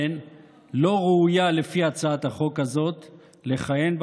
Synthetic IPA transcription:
n | lo̞ʁeujale̞fiat͡saat̪aχo̞khazo̞t̪ | le̞χaje̞nb

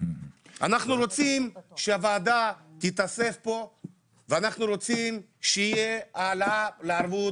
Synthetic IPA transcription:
a̰naχnuɾo̞t͡simʃeavaːd̪at̪it̪ase̞fpo̞ | veanaχnuɾo̞t͡sim | ʃeijealaleaɾvu

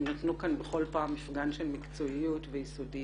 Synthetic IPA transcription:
notnukanbeχo̞lpaːmːifɡanʃe̞lmikt͡so̞ijutvejisodi

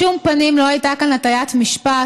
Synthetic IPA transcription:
umpɐnemlɔjt̪akɐnɐt̪ɐjat̪ʰmiʃpa

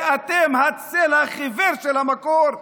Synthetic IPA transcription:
at̪emhat͡selaχiveʁʃelhamakoɾ

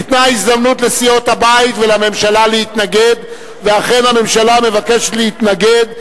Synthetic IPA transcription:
it̪naisd̪amnut̪lesijo̞t̪habait̪velame̞mʃalalehit̪naɡed̪ | veaχe̞nhame̞mʃalame̞vake̞ʃetleit̪naɡed̪

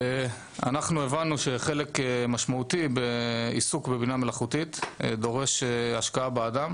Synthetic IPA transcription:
e | a̰naχnue̞vanuʃe̞χe̞lekmaʃmaut̪ibeisukbebiname̞laχut̪it̪d̪o̞ʁe̞ʃeaʃkaabead̪am

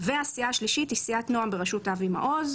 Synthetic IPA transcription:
veasiaːʃliʃitisiatnoambeʁeʃutavima̰ʔoz

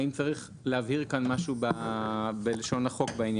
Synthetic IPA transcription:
imt͡saʁiχ | leaviʁkanmaʃubabeleʃo̞naχo̞kbainj

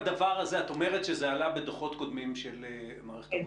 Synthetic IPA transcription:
d̪avaʁazeat̪o̞me̞ʁet̪ʃezealabed̪oχo̞t̪ko̞d̪mimʃele | maːʁee̥t

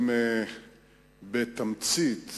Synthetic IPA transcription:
me | bet̪amt͡sit̪

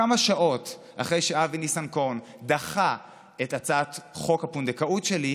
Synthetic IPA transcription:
amaʃaʔo̞t | aχʁejʃeavinisanko̞nd̪aχa | etat͡sat̪χo̞khapund̪ekautʃeli

